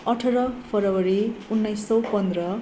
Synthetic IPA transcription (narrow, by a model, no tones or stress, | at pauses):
ʌʈʰʌɾʌpʰʌɾʌwʌɾiunːʌjsːʌwpʌnd̪ɾʌ